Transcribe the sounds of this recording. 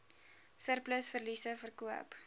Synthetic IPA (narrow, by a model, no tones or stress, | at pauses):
sərpləsfərlisəfərkuə̰p